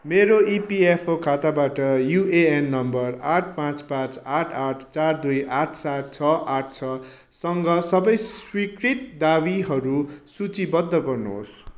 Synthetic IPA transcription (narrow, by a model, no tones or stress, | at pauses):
meɾoipiepʰokʰat̪abaʈʌjuʔeenːʌmbʌraʈʰpãt͡spãt͡saʈʰaʈʰt͡sard̪ujʔaʈʰsat̪̚t͡sʰʌʔaʈ̚ʰt͡sʰʌ | sʌŋɡʌsʌbʌjswikrit̪̚d̪abiɦʌɾusut͡sibʌd̪ʱːʌɡʌrnuɦo̰s